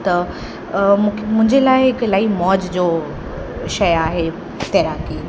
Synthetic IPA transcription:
t̪ɐ | mʰmʊ̃ɦɪ̃ɲd͡ʑelaːɪɪklaːimɔːd͡ʑd͡ʑoː | ʃɐjaːɦe | t̪ɛːɾaːkiː

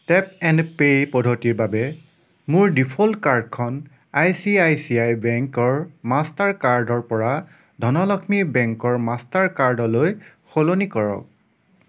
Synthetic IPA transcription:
tɛp̚ɛnpejpɔdʱotiɹbabɛ | mʊɹdipʰɔlkaɹdkʰɔn | ajsiajsiajbɛŋkɔɹmastaɹkaɹdɔɹpɔɹa | dʱɔnɔlɔkʰmibɛŋkɔɹmastaɹkaɹdɔloj | xolonikɔɹɔ̰k̚

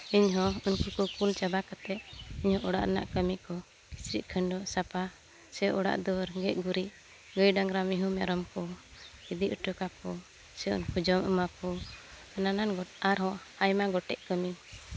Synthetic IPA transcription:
iɲɦɔunkukɔkult͡ʃabakat̪ɛʔiɲhɔ̃ʔɔɽa̰ʔɾɛna̰ʔkəmiʔkɔ | kisɾḭʔkʰəɳɖɔʔsapa | sɛʔɔɽa̰ʔd̪ɔɾɡɛʔ̚ɡuɾiʔ | ɡəjɖaŋɾamiɦumɛ̰ɾɔmkɔid̪iʔəʈəkakɔ | sɛṵnkud͡ʒɔmə̰makɔ | anananɡɔaɾɦɔ̃ | ajmaɡɔʈɛ̰ʔkəmi

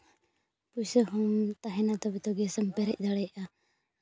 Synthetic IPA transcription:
pusəhɔmt̪aɦɛnat̪ɔbɛt̪ɔɡɛsəmpɛɾɛc̚ˀd̪aɽɛjʔa

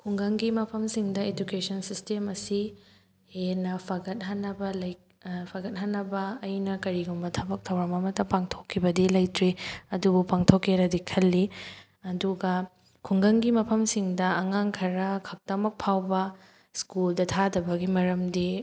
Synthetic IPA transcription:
kʰuŋɡɐŋɡimɐpʰɐmsiŋdɐed͡ʒukesɐnsistemɐsi | henɐpʰɐɡɐt̚ɦanːɐbɐlɐj | pʰaɡɐt̚ɦanːɐbɐːjnɐkɐɾiɡumbɐtʰɐbɐk̚tʰɐwɾɐmɐmɐtɐpaŋtʰokʰːibɐdilɐjtɾiɐdubupaŋtʰokʰːeɾɐdikʰɐlːi | ɐduɡɐ | kʰuŋɡɐŋɡimɐpʰɐmsiŋdɐɐŋaŋkʰɐɾɐkʰɐk̚tɐmɐk̚pʰawbɐ | skuldɐtʰadɐbɐɡimɐɾɐmdi

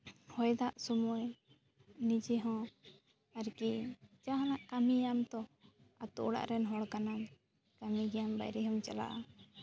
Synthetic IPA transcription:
hɔjd̪aʔsɔmɔj | nid͡ʒɛɦɔ̃ | aɾkit͡ʃaɦalaʔkamijamt̪ɔ | a̰t̪ɔʔɽa̰ʔɾɛnɦɔɽkanan | kamiɡɛjamba̰jɾɛɦɔmt͡ʃala̰ʔa

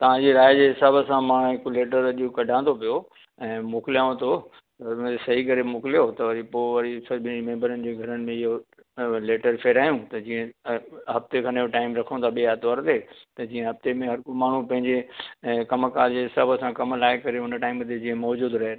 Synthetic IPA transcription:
t̪ɐʋ̤ãd͡ʑeɾaːjd͡ʑeːɦɪsaːbəsãmãːɽ̃ɦɪkoleːʈ̬əɾɐʄokɐɖʱãːnd̪opijo | ɛ̃ːmoːkɪlijaːõt̪ʰo | ɐʊnt̪ʰesɐɦikɐɾemoːkɪlijot̪ɐʋɐɾipoːɪʋɐɾisɐbʱɪnimẽːmbəɾənɪ̆d͡ʑeːɡʱɐɾənɪ̆mẽɪɦo | leːʈəɾpʰeːɾaːijũt̪ɐd͡ʑiːə̃ɦɐft̪ekʰãːneɦoʈaːɪmɾɐkʰõt̪ʰaɓiaːt̪ʋaːɾt̪eːt̪ɐd͡ʑiːə̃ɦɐft̪emẽɦɐɾkomaːɳ̤ũpɐ̃ɦɪ̃ɲd͡ʑekɐmkaːɾd͡ʑeːɦɪsaːbəsãkɐmlaːɪkɐɾeʊnəʈaːɪmt̪ʰed͡ʑiːə̃mɔːd͡ʑuːd̪ɾɐɦe

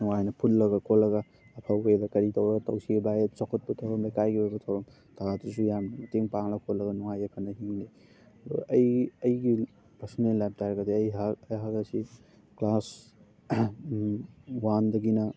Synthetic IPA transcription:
nuŋajnɐpʰutlɐɡɐkʰolɐɡɐː | pʰawedɐkɐɾitɐwɾɐɡɐtɐwsiɡibajet̚t͡ʃɔkʰɔt̚pɐtʰɐwɾɐmekajɡibabɐtʰɐwɾɐm | tʰaatus̬ujamnɐmɐteŋpaŋlɐkʰolɐɡɐnuŋajɐkʰɐnːɐɦiŋni | ɐjɐjɡi | pɐɾsɔnellap̚tajɾɐɡɐdeɐjɦaɐjɦaɡɐsi | klas | wandɐɡinɐ

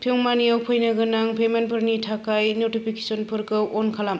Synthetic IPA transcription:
pʰioŋmanijawpʰɯjnaɡɯnaŋpʰemenpʰɯɾnitʰakajnotipʰikesɔnpʰɯɾkɯwʔɔnkʰalam

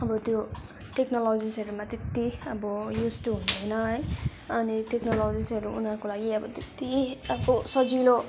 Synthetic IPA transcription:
ʌbʌt̪jo | ʈeknʌlod͡zisʌɾumat̪et̪ːiʌbʌjusʈuɦũnd̪ʌjnʌɦʌj | ʌniʈeknʌlod͡zisʌɾuunakolaɡiʌbʌt̪et̪ːiʌbʌsʌd͡zilo

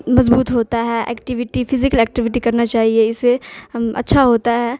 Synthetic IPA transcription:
mɐzbuːt̪ɦoːt̪aɦɛʔɛ̰ːkʈɪʋɪʈipʰɪzɪkəlɛːk̚ʈɪʋɪʈikɐɾnat͡ʃaːɦieɪseɐ̰tːʃʰaɦoːt̪aɦɛː

